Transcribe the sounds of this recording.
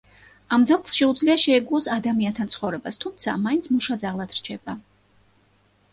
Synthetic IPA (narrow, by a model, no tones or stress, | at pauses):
amd̪zalˠχlˠsʃɛud̪zliaʃɛɛɡuɔsad̪amiant̪ʰant̪sʰχɔvɾɛbast̪ʰumt̪sʰa̰maint̪sʰmuʃad̪zaʁlˠad̪̥ɾt͡ʃʰɛb̥a